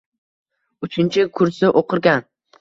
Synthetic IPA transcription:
ʊt͡ʃʰɪnt͡ʃʰɪkʰʊɾsɪʔoqʰɨɾɡʲan

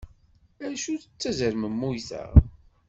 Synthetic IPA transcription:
æɾʃuθət͡sːæzəɾməmːujθə̰ʁ

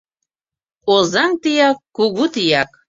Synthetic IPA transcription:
ozɑŋt̪ijɑkːuɣut̪ijɑk

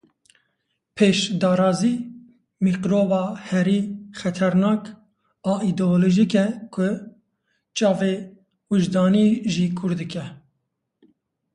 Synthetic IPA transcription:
pʰeːʃd̪ɑːɾɑːziː | miqɾoːvɑːhɛɾiːxɛt̪ʰɛɾnɑːk | ɑid̪ooloʒikɛkʰʊ | t͡ʃɑːveː | wuʒd̪ɑːniʒiːkʰʊɾd̪ɨkɛ

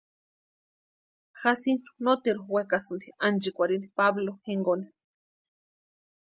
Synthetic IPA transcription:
xasinnot̪eɾowekasunt̪iand͡ʒikʷaɾinpabloheŋɡoni

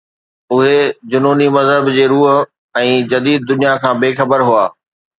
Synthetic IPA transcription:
ʊɦed͡ʑʊnoːnimɐzɦəbd͡ʑeːɾuːɦʊ | ɛ̃ːd͡ʑɐd̪iːd̪̚ːʊnijakʰãːbeːxɐbəɾɦua̰ː

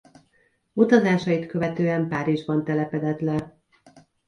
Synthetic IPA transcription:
ut̪ɒzaːʃɒjit̪kø̞vɛt̪øːɛmpaːɾiʒbɒnt̪ɛlɛpɛd̪ɛt̪lɛ

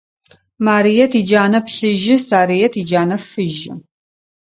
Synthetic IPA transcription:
maːɾijɛtʰiːd͡ʒaːnɐpɬɨʒɪsaːɾijɛtʰiːd͡ʒaːnɐfɨʒɪ̰

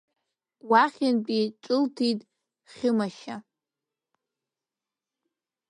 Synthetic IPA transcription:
waχʲɪnpʼiʈ͡ʂʷʼʊltʰitʼ | χʲɪmaʃa

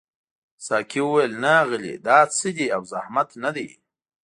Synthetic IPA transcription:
sɑːkʰiwəwajlnaaɣəlḭd̪ɑːt͡səd̪iawzahmat̪nad̪ej

